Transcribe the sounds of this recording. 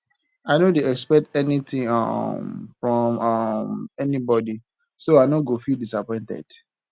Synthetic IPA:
aɪnõndeɛkspɛk̚tɛnitĩŋ̰mfɹɔ̃mamɛnibɔdi | soaɪnɔɡofildisapɔ̃ɪ̃ntɛ̰d̥

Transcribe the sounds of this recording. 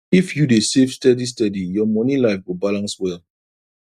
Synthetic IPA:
ifjudesevstɛdis̬tɔdijɔmɔnilaɪfwibalãnswɛl

